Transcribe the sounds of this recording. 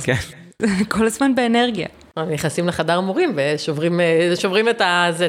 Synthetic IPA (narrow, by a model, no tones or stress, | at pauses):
ken | zekʰo̞lazmanbeːne̞ʁɡija̰ | amjeχnasimleχadaʁamoʁimveʃovʁimeʃovʁimetaze